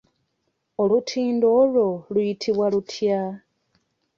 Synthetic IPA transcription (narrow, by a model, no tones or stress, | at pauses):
olutʰiːndo̞lo̞lwjitʰiβwalutʰja